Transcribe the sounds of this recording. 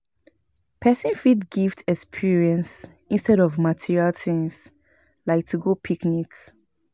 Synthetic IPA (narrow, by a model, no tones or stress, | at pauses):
pʰɛsĩnfitɡiftɛkspʰiɹiɛ̃ns | ĩnstɛɾɔvmatʰiɹialθĩŋs | laɪk̚tʰuɡopʰiknik